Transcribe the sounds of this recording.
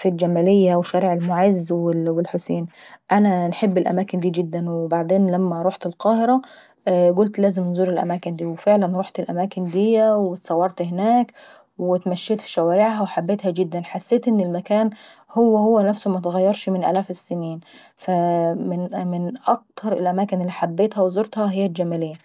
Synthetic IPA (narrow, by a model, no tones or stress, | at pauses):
fild͡ʒæmæːlɪjːæwʃæːɾiʕelmʊʕezwɪwɪlħʊseːnʔænænħebːɪlʔæ̰mæːkɪnd̪iːɡɪd̪ːænwɪbaʕd̪eːnlæmːæɾˤuːħt̪ɪlqɑːhɪɾɑ | ɡʊlt̪læːzɪmnzuːɾɪlʔæ̰mæːkɪnd̪iːwfeʕlænɾuːħt̪ɪlʔæmaːkɪnd̪ijːæwɪt̪sˤɑwːɑɾˤt̪hɪnæːk | wɪt̪mæʃːeːt̪fi̥ʃæwaːɾɪʕɦæwħabːeːt̪hæɡɪd̪ːænħasːeːt̪ʔɪnːɪlmakaːnhʊwːæhʊwːænæfsumæt̪ɣæjːɑɾˤʃmɪnʔæ̰laːfɪsːɪniːn | fæmɪnmɪnʔæk̚t̪ʰɑɾˤɪlʔæmaːkɪnɪlːiːħabːeːt̪hæwzoɾt̪hɑɦɪjːæld͡ʒæmalejːæ